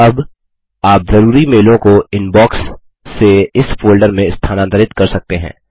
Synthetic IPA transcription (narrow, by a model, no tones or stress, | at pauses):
ɐb | aːpzɐɾuːɾimeːlõkoɪnbɔːksː | eɪsfoːlɖəɾmẽɪst̪ʰaːnãd̪əɾɪt̪kɐɾsɐk̚t̪eɦɛ̰̃ː